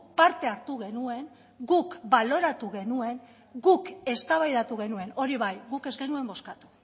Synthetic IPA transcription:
paɾt̪e̞aɾt̪uɣ̞e̞nue̞ŋ | ɡukbalo̞ɾat̪uɣe̞nue̞ŋ | ɡuke̞st̪aβajðat̪uɣe̞nue̞no̞ɾiβajɣuke̞zɡe̞nue̞mbo̞skat̪u̥

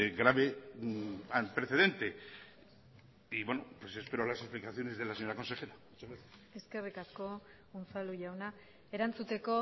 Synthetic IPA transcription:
ɣɾaβe | ant̪ɾe̞θe̞ð̞e̞nt̪e̞ | iβwenopwe̞se̞spe̞ɾoalasesplikaθjo̞ne̞zðe̞laseɲoɾako̞nse̞xe̞ɾamut͡ʃazɣɾaθjase̞skerikasko̞ | onfaluʝawna | e̞ɾant͡sut̪e̞ko̞

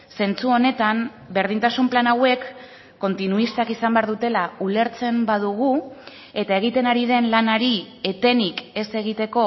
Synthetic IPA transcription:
se̞nt͡suo̞ne̞t̪am | be̞ɾð̞int̪asumplanawe̞kː | o̞nt̪inuist̪akisambe̞aɾðut̪e̞laule̞ɾt͡se̞mbað̞uɣ̞u | e̞t̪aeɣ̞it̪e̞naɾið̞e̞nlanaɾi | e̞t̪e̞nike̞se̞ɣ̞it̪e̞ko̞

